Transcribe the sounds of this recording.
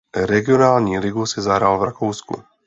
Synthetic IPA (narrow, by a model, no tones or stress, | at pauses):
ɾɛɡɪɔnaːlɲiɾiɡusizaɦɾalvɾakuʊskṵ